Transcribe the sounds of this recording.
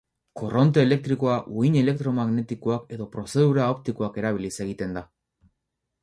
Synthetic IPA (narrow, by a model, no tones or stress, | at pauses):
ko̞ro̞nt̪̬e̞ːle̞k̚t̪ɾiko̞aʔuiɲe̞le̞k̚t̪ɾo̞maɣne̞t̪ikoake̞ðo̞pɾo̞se̞ðuɾaop̚t̪ikoake̞ɾaβ̞ilise̞ɣit̪e̞nd̪a